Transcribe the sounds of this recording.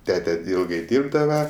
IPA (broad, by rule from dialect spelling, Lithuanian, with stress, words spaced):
ˈtʲæːtʲɛ ˈɪlˠɡɐɪ ˈdʲiːrbdɐʋɐ